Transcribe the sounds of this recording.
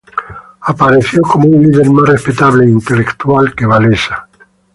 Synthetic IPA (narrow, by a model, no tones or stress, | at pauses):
apaɾeθjokomounliðeɾmasrespet̪aβleint̪elekt̪ualkeβalesa